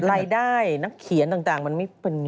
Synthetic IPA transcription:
ɾaː˧jdaː˥˩jna˦˥kʰi˨˩˦nt̪aː˨˩ŋt̪aː˨˩ŋma˧nma˥˩jpe˧n˧

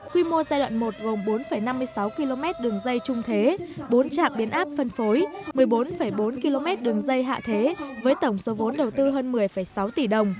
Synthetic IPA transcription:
kwi˧mo˧zaː˧jɗwa̰ː˧˨nmo˨˩t̚ɣo˨˩mɓo˨˦nfə˧˩jna˧mːɨ˧əjsa˨˦wki˧lo˧mɛ˦˥t̚ɗɨ˨˩əŋzə˧jt͡ɕʊ˧ŋ͡mt̪ʰe˨˦ɓo˨˦nt͡ɕa̰ː˧˨ŋɓi˨˦ənʔaː˦˥p̚fə˧nfo˨˦jmɨ˨˩əjɓo˨˦nfə˧˩jɓo˨˦nki˧lo˧mɛ˦˥t̚ɗɨ˨˩əŋzə˧jɦa̰ː˧˨t̪ʰe˨˦vəː˨˦jt̪ə˧˩wŋ͡mso˨˦vo˨˦nɗə˨˩wt̪ɨ˧ɦəː˧nmɨ˨˩əjfəː˧˩jsa˨˦wt̪i˧˩ɗə˨˩wŋ͡m

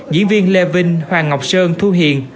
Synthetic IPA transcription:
ɲɨ̰˧˥ənvi˧ənle˧˩vï˧ŋ̟hwaː˨˩ŋa˨˩wk͡p̚səː˧nt̪ʰu˧ɦḭ˧˨ən

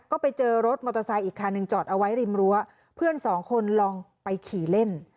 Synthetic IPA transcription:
kɔː˥˩pa˧jt͡ɕɤː˧ɾo˦˥t̪̚mɔː˧t̪ɾa˧sa˧jʔiː˨˩kʰːaː˧nːɯ˧ŋt͡ɕɔː˨˩t̪̚ʔa˧wa˦˥jɾi˧mɾu˦˥ɐ | pʰɯ˥˩ənsɔː˩˦ŋkʰo˧nlɔ˧ŋpa˧jkʰiː˨˩le˥˩n

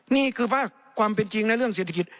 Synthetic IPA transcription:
niː˥˩˨kʰɯː˧pʰaː˥˩k̚ʰwaː˧mpe˧nt͡ɕi˧ŋna˧˥˨jɾɯ˥˩əŋseː˧˩t̪ʰːa˧ki˨˧t̪̚

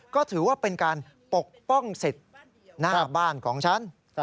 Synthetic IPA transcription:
kɔː˥˩t̪ʰɯː˩˦waː˥˩pe˧nkaː˧n | po˨˩k̚pɔ˥˩ŋse˨˩t̪̚ | naː˥˩baː˥˩nkʰɔː˩˦ŋt͡ɕʰa˦˥n

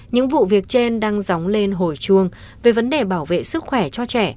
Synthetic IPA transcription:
ɲɨ̰˧˥ŋvṵ˧˨vi˨˩ək̚t͡ɕe˧nɗaː˧ŋza˨˦wŋ͡mle˧nɦo˧˩jt͡ɕu˧əŋ | ve˨˩və˨˦nɗe˨˩ɓaː˧˩wvḛ˧˨sɨ˦˥k̚xwɛ˧˩t͡ɕɔ˧t͡ɕɛ˧˩

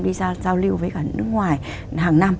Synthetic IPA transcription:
nɗi˧za˧zaː˧wli˧wvəː˨˦jkaː˧˩nɨ̰˦˥ək̚ŋwaː˨˩j | ɦaː˨˩ŋna˧m

